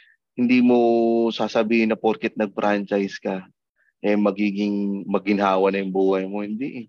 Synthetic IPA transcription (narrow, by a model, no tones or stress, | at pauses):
hɪnd̪iːmo̞saːsɐbiːhɪnːɐpoɾkɛt̪̚nɐɡ̚fɾʔant͡ʃajskɐ | ʔɛmɐɡiːɡɪŋmɐɡɪnɦaːwɐnɐjʊŋbuːhɐjmo̞hɪnd̪iʔɛ